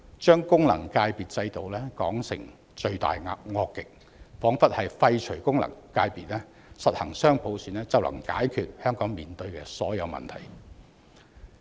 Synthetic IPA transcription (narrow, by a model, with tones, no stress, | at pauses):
t͡ʃœː˥ŋkʊ˥ŋlɐ˨˩ŋkaː˧jpiː˨t̚t͡sɐ˧jt̪o˨wlɛː˥kɔ̰ː˨˥ŋsɪ̰˨˩ŋ | t͡ʃɵ˧ɥt̪a̰ː˨jŋaː˧p̚ŋɔː˧kːɪ˨k̚ | fɔː˨˥ŋfɐ˥t̚hɐ˨jfɐ˧jt͡ʃʰɵ˨˩ɥkʊ˥ŋlɐ̰˨˩ŋkaː˧jpiː˨t̚lɛː˥ | sɐ˨t̚hɐ˨˩ŋsœː˥ŋpʰo˨˥wsyː˨˥nɛː˥t͡sɐ˨wlɐ̰˨˩ŋkaː˨˥jkʰyː˨t̚hœː˥ŋkɔː˨˥ŋmiː˨nt̪ɵ˧ɥkɛː˧sɔː˨˥jɐ˨˧wmɐ̰˨˩nt̪ʰɐ̰˨˩j